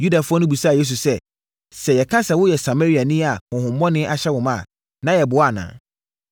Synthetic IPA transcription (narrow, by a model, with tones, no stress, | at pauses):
ju˦da˨fʊ˦ɔ˦nʊ̃˦bu˨saː˦˨je˦s̬u˨sɛ˦ | sɛ˨jɛ˨kʰã˦sɛ˨wʊ˦jɛ˨sa˨ma˦ɾi˦a˨nĩ˦a˨hʊ̃˨ɦʊ̃˨m̩˦mɔ̃˦nɪ̃˦ʔa˨ɕɛ˦wʊ̃˨mã˦˨ | nã˦jɛ˨bʊ˨˦a˨nã̰ː˨